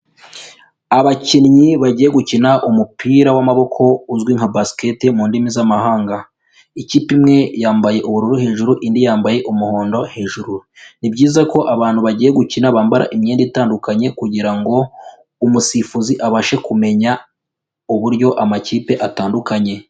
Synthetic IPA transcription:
aβacinɲiβaɟiːje̞ɡucinaʔumupiːɾawamaβo̞kʰo̞uzɡwiŋhabasi̥ke̞temuːndimizamaɦaːŋɡa | iciːpimŋe̞jaːmbaje̞ʔuβuɾuɾuhe̞ːʒuɾuʔindijaːmbaje̞ʔumuho̞ːndo̞he̞ːʒuɾu | nibɟiːzako̞ʔaβaːn̥huβaɟiːje̞ɡucinaβaːmbaɾʔa̰ʔimɲeːndiitaːndukaɲe̞kuɟiɾaŋɡo̞ | umusifuziʔaβaʃekume̞ɲa | uβuɾjo̞ʔamaciːpe̞ʔataːndukaɲe̞

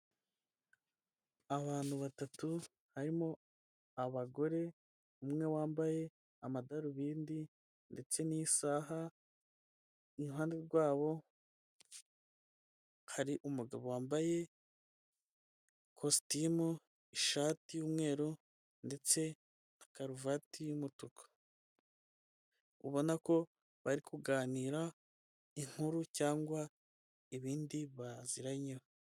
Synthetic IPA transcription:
aβaːn̥huβatatu | haɾimo̞ | aβaɡo̞ɾe̞ | umŋe̞waːmbaje̞ | amadaɾuβiːndi | nde̞t͡se̞nisaːɦa | iɦaːndeɾɡwaːβo̞ | haɾiʔumuɡa̰βo̞waːmbaje̞ | kʰostimu | iʃatijuːmŋe̞ːɾu | nde̞t͡se̞ | akaɾuvatijumutukʰḁ | uβo̞nako̞ | βaɾikuɡaːniːɾa | iŋ̥huɾucaːŋɡwa | iβiːndiβaziɾaɲo

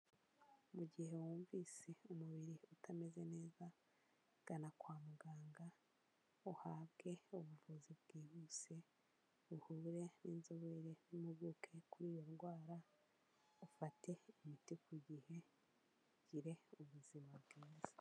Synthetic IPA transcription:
muɟihe̞wuːɱviːse̞umuβiɾiutʰame̞ze̞ne̞ːza | ɡ̥anakwaːmuɡaːŋɡa | uhaːβɡe̞uβuvuzibɡ̥iːβuse̞ | uhuːɾe̞ninzuβiɾe̞nimuɡukʰe̞kuɾiːjo̞ɾɡwaːɾa | ufate̞imitikwuɟihe̞ | ɟ̥iɾe̞uβuzimabɡiːzi̥

